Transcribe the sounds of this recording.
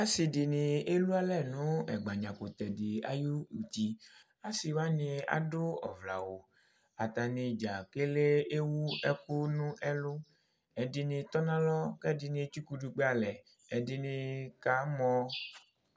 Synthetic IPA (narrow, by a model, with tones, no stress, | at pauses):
a˦si˨dɪ˨nɪ˨e˦lu˦a˦lɛ˦˨nũ˨˦ɛ̰˨ɡ͡ba˨ɲã˨ko˨t̪ɛ˨dɪ˨a̰˨ju˦u˨t̪i˨ | a˦si˨wa˦nĩ˧a̰˨dʊ˦ɔ̰˨vla̰˨wo˨ | a˨t̪a˨nɪ̃˨d͡ʒa˨ke˦le˦e˦wu˦ɛ˦ko˦nũ˦ʔɛ˦lʊ˦ | ɛ˨dɪ˨nɪ̃˧t̪ɔ˦nã˦lɔ˦kɛ˦di˨nĩ˧˦t͡ʃu˦ku˦du˧k͡pe˦a˨lɛ˨ | ɛ˨di˨nɪ̃˧ka˨˦mɔ̃˦